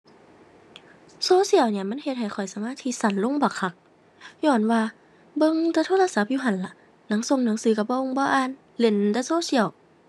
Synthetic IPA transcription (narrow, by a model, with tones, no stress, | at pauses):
soː˧˦˨si˧˩˨əwni˧˩ɐ˨ma˧˥˨nhe˧t̪̚ha˨˩jxʰɔ˨˩jsa˧maː˧˥˨t̪ʰiː˧˩sa˧˩˨nlo˧˥˨ŋbɔː˧˩kʰa˧˩k̚ | ɲɔː˧˩nwaː˧ | bɤ˧˨ŋt̪a˧˦t̪ʰoː˧˥˨la˧sa˧˦p̚juː˧ɦa˧˦nla˧˦ʔ | na˨˦ŋso˧˨ŋna˨˦ŋsɯː˨˦ka˧˩bɔː˧ʔo˧˨ŋbɔː˧ʔaː˧˨n | le˧˩˨nt̪a˧˦soː˧˥˨si˧˩ə˨w